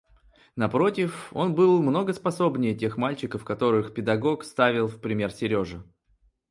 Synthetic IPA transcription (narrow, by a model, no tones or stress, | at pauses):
nɐpɾo̞tʲɪfo̞̰nbɨlˠmno̞ɡəspɐso̞bnʲɪjətʲe̞xmalʲt͡ɕɪkəfkɐt̪o̞ɾɨxpʲɪd̪ɐɡo̞kst̪avʲɪlˠfpɾʲɪmʲe̞rsʲɪɾʲo̞ʐɨ